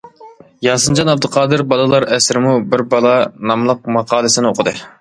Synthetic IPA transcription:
jɑsɨnd͡ʒɑnɑb̚d̪ɨqʰɑːd̪ɨɾbɑlˠɨlˠɑɾɛsɾɪmubɪɾbɑlˠɑnɑmlˠəq̚mɑqʰɑːlˠɨsɪnɪoqʰəd̪ɨ

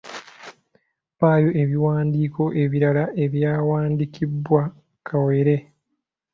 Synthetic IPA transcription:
βaːjo̞ʔe̞βiwaːndiːkʰo̞ʔe̞βiɾalaʔe̞βjaːwaːndikʰibːwa | kʰaweɾe̞

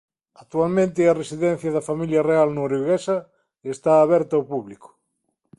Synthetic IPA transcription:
ak̚t̪ualmẽnt̪ɪaresiðɛ̃n̟θjɐðɐfamiljɐrealnoɾuɣesɐ | est̪aːβ̞ɛɾt̪aopuβlikʊ̥

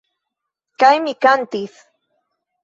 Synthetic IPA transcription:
kajmɪkant̪ɪs

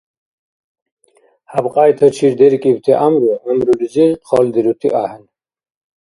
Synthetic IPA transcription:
habqʼaːjt̪ʰɐt͡ʃʰiɾd̪ɛɾkʼibt̪ʰiʔamɾəɐmɾuliziqʰɔld̪iɾut̪ʰḭʔahɛn

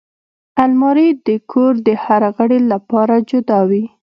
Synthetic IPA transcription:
almɑɾid̪əkʰoɾd̪əhaɾaɣəɽelapɑɾad͡ʒʊd̪ɑwi

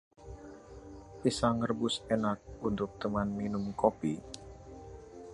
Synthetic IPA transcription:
pisaŋərbʊsenak̚unt̪ʊk̚t̪əmanminʊmkopi

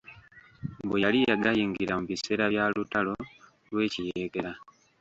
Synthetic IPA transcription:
bejalijaɡajiːŋɡiɾamuβise̞ːɾaβjaːlutalo̞ | lwe̞ːcije̞ːɡe̞ɾa

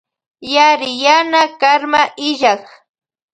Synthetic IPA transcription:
jaɾɪjanakaɾmaʔɪʒɑχ

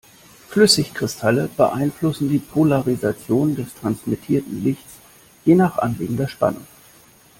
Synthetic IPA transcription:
flʏsɪçkʁ̥ɪstʰaləb̥əʔa̰ɪnflʊsn̩diːpʰolaʁizat͡sjoːndɛstʁ̥ansmitʰiːɐtn̩lɪçtt͡s | jeːnaːχʔa̰nlḭːɡŋ̩dɐɐʃpa̰nʊ̰ŋ

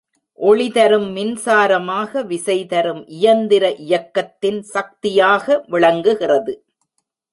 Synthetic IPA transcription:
ʔɔɭɪðɐɾɯmːɪnsaːɾɐmaːɣɐʋɪsɐɪt̪ɐɾɯmʔɪjɐnd̪ɪɾɐʔɪjɐkːɐt̪ːɪnsɐk̚t̪ɪjaːɣɐʋɪɭɐŋɡɯɣɪrɐðɯ

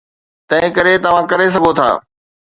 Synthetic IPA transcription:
t̪ɐ̃ɦɪ̃kɐɾet̪ɐʋ̤ãkɐɾes̬ɐɡʱot̪ʰa̰ː

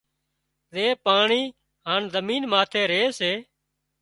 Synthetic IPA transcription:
zeːpaːɳiː | ɦaːɳzəmiːnmaːt̪ʰeːɾeːseː

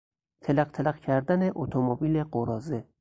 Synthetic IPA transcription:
t̪ʰelæqt̪ʰælæqcʰæɾd̪æneʔot̪ʰomobiːleɢoɾɒːze

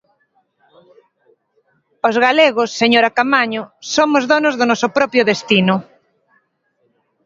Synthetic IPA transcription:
ozɣaleɣ̞ʊsːeɲoɾakamaɲʊsomʊzðɔnozðʊnɔsʊpɾɔpɾjʊðest̪inʊ

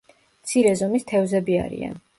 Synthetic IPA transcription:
mt̪sʰiɾɛzɔmist̪ʰɛvzɛbia̰ɾḭa̰n

